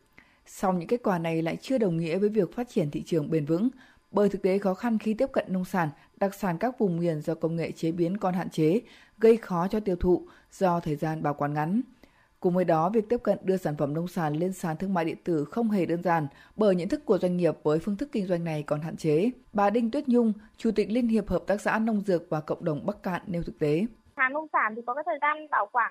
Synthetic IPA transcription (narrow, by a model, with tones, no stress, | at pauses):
sa˧wŋ͡mɲɨ̰˧˥ŋke˦˥t̚kwaː˧˩na˨˩jla̰ː˧˨jt͡ɕɨ˧əɗə˨˩wŋ͡mŋḭ˧˥əvəː˨˦jvi˨˩ək̚faː˦˥t̚t͡ɕi˧˩ənt̪ʰḭ˧˨t͡ɕɨ˨˩əŋɓe˨˧˩nvɨ̰˧˥ŋ | ɓəː˧˩jt̪ʰɨ˨˩k̚t̪e˨˦xɔ˨˦xa˧nxi˧t̪i˦˥əp̚kə̰˧˨nːə˧wŋ͡msaː˧˩n | ɗa˨˩k̚saː˧˩nkaː˦˥k̚vʊ˨˩ŋ͡mŋwi˨˧˩ənzɔ˧kə˧wŋ͡mŋḛ˧˨t͡ɕe˨˦ɓi˨˦ənkɔ˧˩nhɦa̰ː˧˨nt͡ɕe˨˦ | ɣə˧jxɔ˨˦t͡ɕɔ˧t̪i˧əwt̪ʰṵ˧˨ | z̥ɔ˧t̪ʰəː˨˩jzaː˧nɓaː˨˩wkwaː˨˦nŋa˨˦ŋ | kʊ̰˧˩ŋ͡mvəː˨˦jɗɔ˨˦vi˨˩ək̚t̪i˦˥p̚kə̰˧˨nɗɨ˧əsaː˧˩nfə˧˩mnə˧wŋ͡msaː˧˩nle˧ənsaː˨˩nt̪ʰɨ˧əŋma̰ː˧˨jɗḭ˧˨ənt̪ɨ˧˩xə˧wŋ͡mɦe˨˩ɗəː˧nzaː˨˩nɓəː˧˩jɲə̰˧˥nt̪ʰɨ˦˥kːu˧˩əzwjŋ̟ŋi˨˩əp̚vəː˨˦jfɨ˧ənt̪ʰɨ˦˥kːï˧ŋ̟zwa˧jŋ̟na˨˩jkɔ˨˩nɦa̰ː˧˨nt͡ɕe˨˦ɓaː˨˩ɗï˧ŋ̟t̪wi˦˥ət̚ɲʊ˧ŋ͡mt͡ɕu˧˩t̪ï˨˩k̟̚li˧ənɦi˨˩əp̚həː˨˩p̚t̪aː˦˥k̚sa̰ː˧˥nə˧wŋ͡mzɨ˨˩ək̚vaː˨˩kə̰˧˨wŋ͡mɗə˨˩wŋ͡mɓa˦˥k̚ka̰ː˧˨nːe˧wt̪ɨ˨˩k̚t̪e˨˦ | aː˨˦ŋə˧wŋ͡msaː˧˩nt̪i˨˩kɔ˨˦kaː˨˦jt̪ʰːjzaː˧nɓaː˨˧˩wkwaː˧˩n